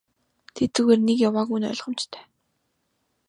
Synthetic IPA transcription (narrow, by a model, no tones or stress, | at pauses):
t̪ʰet̪ɘ̆ɣeːrnekjawaːɣujnœ̰ɮʁə̆mt͡ɕt̪ʰæ̥ː